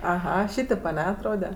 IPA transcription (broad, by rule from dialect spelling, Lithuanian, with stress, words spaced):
ɐˈɣɐ ˈʃʲiːtʲeːp ɐˈnʲɛ ɐtˈroːdʲɛ